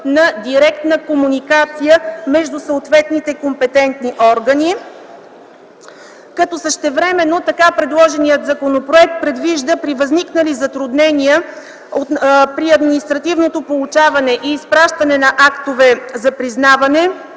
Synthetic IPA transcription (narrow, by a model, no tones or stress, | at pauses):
nɐd̪iɾɛkt̪nəkomunikat̪sijəmɛʒd̪usəot̪vɛt̪nit̪ɛkompɛt̪ɛnt̪niʔɔɾɡəni | kɐt̪ɔsəʃt̪ɛvɾɛmɛnːot̪ɐkapɾɛd̪lˠɔʒɛnijət̪zɐkonopɾoɛk̚t̪̚pɾɛd̪viʒd̪əpɾivɐzniknəlizɐt̪ɾʊd̪nɛniə | opɾiɐd̪minist̪ɾɐt̪ivnot̪opolˠut͡ʃavɐnɛʔiːspɾaʃt̪ɐnɛnɐʔakt̪ovɛzɐpɾiznavɐnɛ